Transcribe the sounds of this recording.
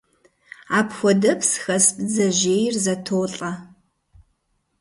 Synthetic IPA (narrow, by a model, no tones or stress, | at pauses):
aːpxʷɔdɐpsxɐsbd͡zɐʒeːjrzɐtʰoːɬʼɐ